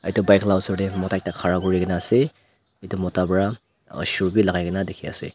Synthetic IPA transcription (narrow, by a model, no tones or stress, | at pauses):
a̰jtubajkʰlawsɔdemɔtaj̚takʰaɾaɡuɾiɡenase | itumɔtabɾa̰ | suɾbilaɡajɡinadekʰia̰sḛ